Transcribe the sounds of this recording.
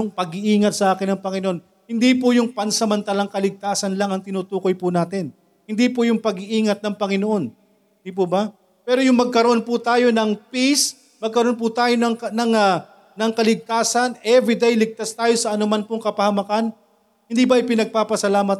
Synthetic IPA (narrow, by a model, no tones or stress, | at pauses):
ʊŋpɐɡɪʔiːŋɐt̪̚sɐʔaːkɪnːɐŋpɐŋɪnoʔo̞n | hɪnd̪ipʊjʊŋpɐnsɐmɐnt̪alɐŋkɐlɪɡ̚t̪aːsɐnlɐŋɐŋt̪ɪnut̪uːko̞jpʊnaːt̪ɪn | hɪnd̪ipʊjʊŋpɐɡɪʔiːŋɐt̪̚nɐŋpɐŋɪnoʔo̞n | d̪ip̬ʊbɐ | pɛːɾo̞jʊŋmɐɡ̚kɐɾoʔo̞npʊt̪aːjo̞nɐŋpis | mɐɡ̚kɐɾoo̞np̬ʊt̪aːjonɐŋkɐnɐŋa | nɐŋkɐlɪɡ̚t̪aːsɐnʔɛvɾid̪ejlɪɡ̚t̪ast̪aːjo̞sɐʔɐnʊmanpʊŋkɐpɐhɐmɐkan | hɪnd̪ibɐʔɪpɪnɐɡ̚paːpɐsɐlaːmɐt̪̚